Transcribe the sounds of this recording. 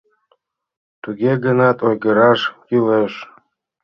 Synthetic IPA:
t̪uɣeɣənɑt̪ojɣəɾɑʃkyleʃ

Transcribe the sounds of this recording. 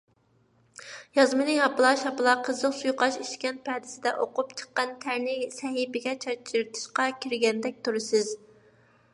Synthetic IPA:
jɑzmɨnɨjɑpɨlˠɑʃɑpɨlˠɑqʰəzləqsujqɑʃiʃkʲɛnt̪̚pʰɛd̪ɪsɪd̪ɛʔoqupt͡ʃʰə̥qːɑnt̪ʰæɾnɪsɛɦibɪɡʲɛt͡ʃʰɑt͡ʃʰiɾt̪ʰɨ̥ʃqɑkʲʰiɾɡʲɛnd̪ɛk̚ʲt̪ʰuɾɨsɪz

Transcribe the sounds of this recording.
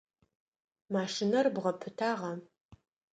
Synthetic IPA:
maːʂɪnɐrbʁɐpʰɨtʰaːʁɐ

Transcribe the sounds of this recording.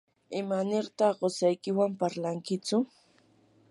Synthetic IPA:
ɪmanɪɾt̪ɑχɢosajkɪwampaɾlaŋkɪt͡sʊ

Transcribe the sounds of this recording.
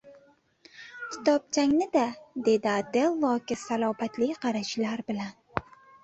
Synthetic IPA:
kʲʰɪ̥t̪ʰɒp̚t͡ʃʰaŋnɪd̪ad̪e̞d̪ɪad̪elˠːɒkʲɪsalˠɒbat̪ʰlɪqʰɑɾaʃlaɾbɪlan

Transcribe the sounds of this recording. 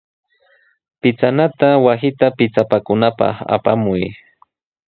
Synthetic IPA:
pɪt͡sanat̪awasɪt̪apɪt͡sapakʊnapɑ̰χa̰pamʊj

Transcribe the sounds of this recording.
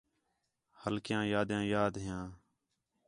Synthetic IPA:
həlkɪjãːjaːd̪jãːjaːd̪ɦɪjãː

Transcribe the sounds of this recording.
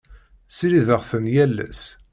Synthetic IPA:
siɾiðəʁθənjælːæ̰s

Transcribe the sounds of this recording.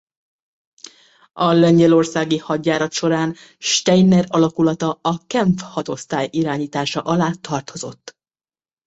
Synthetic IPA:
ɒlɛɲɟɛlo̞rsaːɡihɒɟːaːɾɒt̪ʃo̞ɾaːn | ʃt̪ɛjnɛɾɒlɒkulɒt̪ɒɒkɛɱfhɒt̪o̞st̪aːjʔiɾaːɲiːt̪aːʃɒʔɒlaːt̪ʰɒrt̪o̞zo̞t̪ː

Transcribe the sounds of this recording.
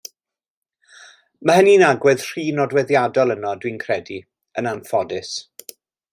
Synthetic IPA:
məhəninaɡwɛð̥r̥iːnɔdwɛðjadɔlˠənɔdwinkʰrɛdi | ənanfɔdɪs

